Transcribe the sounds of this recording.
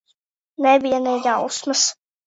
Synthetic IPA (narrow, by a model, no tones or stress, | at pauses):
nɛbijanɛjɡausmas